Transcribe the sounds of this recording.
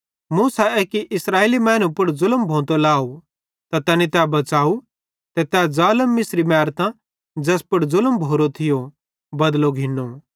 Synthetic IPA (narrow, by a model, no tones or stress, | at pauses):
muːsaeːkiʔɪsɾaːeːlimɛːnũpʊɽzʊləmbʱõːt̪olaːu | t̪at̪ɛ̃ːnit̪ɛbɐt͡ʃaːu | t̪ɛt̪ad͡zaːləmːɪsɾimɛːɾt̪ã | d͡ʒɛːspʊɽzʊləmbʱoːɾot̪ʰɪjo | bɐd̪loɡʱɪnːo